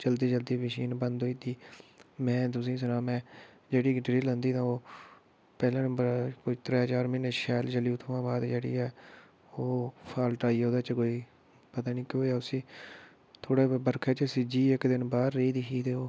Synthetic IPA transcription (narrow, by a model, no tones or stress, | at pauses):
t͡ʃəld̪iːd͡ʒəld̪iːməʃiːnbə̃nd̪oiːt̪iːmɛ̃ːt̪̬ʊsĩːs̬ʊnãːmɛ̃ː | d͡ʒeːɽiːʈɾiːlə̃nd̪iːt̪ʰãːoː | pɛːlãːnə̃bəɾkʊt̪ɾɛːɦəd͡ʒaːɾmɪneʃɛːlt͡ʃəljũːt̪ʰoːãːbaːd̪d͡ʒeːɽḭːɛː | oːpʰaːlʈaːiːoːd̪aːt͡ʃkoːiː | pət̪aːniːkoːɛːʊsĩː | t̪ʰoːɽeːbəɾkʰɛːt͡ʃəsɪd͡ʒiːɪkd̪ɪnbaːɾːiːd̪iʃiːd̪eːoː